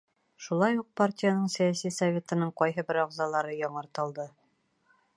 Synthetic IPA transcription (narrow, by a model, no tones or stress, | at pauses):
ʃulˠɑjuq̚partʲijanɤɴsæjasijsɐvʲe̞t̪ɤ̆nɤɴqɒjɦɤbɘɾɒʁzɑlˠɑɾɤjɒɴɤ̆ɾt̪ɤ̆lˠd̪ɤ